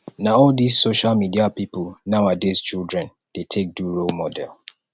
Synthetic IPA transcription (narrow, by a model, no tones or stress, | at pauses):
naɔldizsoʃalmidiapipulnaʊadez̥t͡ʃilˠdɹɛ̃n | d̥etʰek̚duɹolmɔdɛ̰lˠ